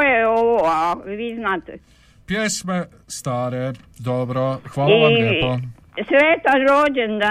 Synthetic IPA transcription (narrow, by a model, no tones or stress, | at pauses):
jeoʋoaʋiːznaːt̪ɛ | pjeːsme | st̪aːɾe | d̪obɾoxʋaːliaaeːpo | sʋeːt̪anɾoːd͡ʒend̪a